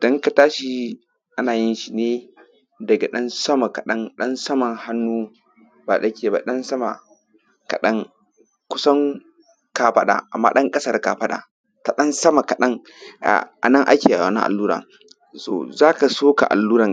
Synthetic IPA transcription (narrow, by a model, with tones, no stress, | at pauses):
d̥ɔ˦ŋka˨taː˦ʃi˦ | ʔa˦naː˨jɪ˦nʃi˨neː˦ | dɐ˨ɡa˨ɗɐ˦nsɐ˦ma˨ka˨ɗɐ˦ŋɗɐ˦nsɐ˦mɐ˨ŋha˦nːuː˦ | ba˨ɗɐ˦kʲeː˨ba˨ɗɐ˦nsɐ˦ma̰˨ | ka˨ɗɐ˦ŋ | kʷʊ˦sɐ˦ŋ | ka˨ɸɐ˦ɗa̰˨ʔa̰˨mːa̰ː˦ɗɐ˦ŋkʼɐ˦sɐ˦˨rka˨ɸɐ˦ɗa̰ː˨ | ta˨ɗɐ˦nsɐ˦ma˨ka˨ɗɐ˦ŋ | ʔa̰˨ʔa̰˨nɐ˦ŋʔa̰˦kʲeː˨a˨a˨na̰˦ʔa˨lːuː˦ɾɐ̰˨ | so̰ː˨zaː˦ka˨soː˦ka̰˨ʔa̰˨lːuː˦ɾɐ˨ŋ